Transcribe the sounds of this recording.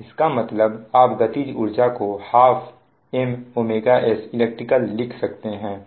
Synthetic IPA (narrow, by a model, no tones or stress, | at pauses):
ɪskamɐt̪ləbaːpɡɐt̪id͡ʒʊɾd͡ʒakohaːfʰ | ɛmoːmeːɡaʔɛsɪleːk̚ʈɾɪkəlːɪkʰsɐkt̪eɦɛ̃ː